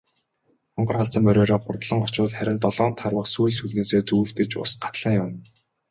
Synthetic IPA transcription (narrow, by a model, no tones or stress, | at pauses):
ɔɴɢɞ̆rχaɮt͡sə̆mpœɾʲɔːɾɔːχʊrt̪ɮə̆ŋɢɔt͡ɕʊːɮχæɾʲɪ̆nt̪ɔɮɔːn̥t̪ʰarwə̆qsuːjsuɮneːseːt͡suːɬt̪ɘ̆t͡ɕʊ̰sɢḁt̪ɮaːjʊm